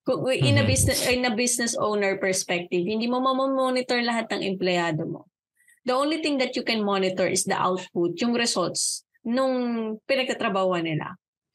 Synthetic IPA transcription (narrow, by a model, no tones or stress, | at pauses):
kʊŋʔɪnɐbisnɛʔnɐbisnɛsʔoːwnɛɹpɛɹspɛk̚t̪ɪvhɪ̃nd̪iːmomɐmomonɪt̪ɛɹlɐɦat̪̚nɐŋʔɛ̰mplɛaːd̪omo̰ | d̪ɐʔownlit̪ɪŋd̪ɐt̪̚jʊkɛnmonɪt̪ɛɹʔɪsd̪ɐ̰ʔa̰wt̪̚pʊt̪̚jʊŋɾɛsɔlt̪s | nʊŋpɪnɐɡ̚k̪ɐt̪ɾɐbaːhoɐnɪla̰